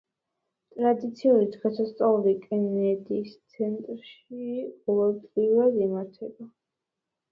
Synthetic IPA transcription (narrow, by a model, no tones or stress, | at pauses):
t̪ʼɾad̪it̪sʰiuɾid̪ʁɛsast̪sʼaluɾikʼɛnɛd̪ist̪sʰɛnt̪ʼɾʃibɔlˠɔlpʼliuɾad̪imaɾt̪ʰɛba